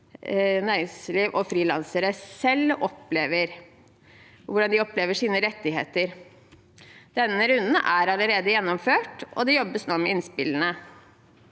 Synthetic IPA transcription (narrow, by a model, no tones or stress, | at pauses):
næːɾɪŋsliːʋʔɔfɾiːlɑ̰nsəɾəsɛlːɔpleːʋəɾ | ʋʊɖɑnd̪ɪɔpleːʋəʂiːnəɾɛt̪ːɪɦḛːt̪əɾ | d̪̥ɛnːəɾʉnd̪n̩ʔæɾɑləɾeːd̪əjɛnːɔmføːʈʔɔ̰d̪ɛjɔbːəsnoːmɛɪnspɪlənə